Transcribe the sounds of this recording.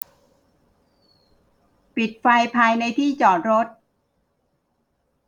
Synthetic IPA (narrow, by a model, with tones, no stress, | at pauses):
pi˨˩t̪̚fa˧jpʰaː˧jna˧jt̪ʰiː˥˩t͡ɕɔː˨˩t̪̚ɾo˦˥t̪̚